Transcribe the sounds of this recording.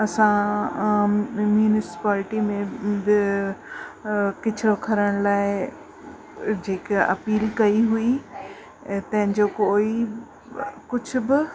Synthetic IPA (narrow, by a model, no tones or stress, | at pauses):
ɐsã | mjuːnɪsɪ̥paːlɪʈimẽbɪ | kɪt͡ɕʰokʰɐɾəɽ̃laːɪ | d͡ʑeːkɐpiːlkɐiɦui | t̪ɐ̃ɦɪ̃ɲd͡ʑokoːi | kʊd͡ʑʱʊ̆bɪ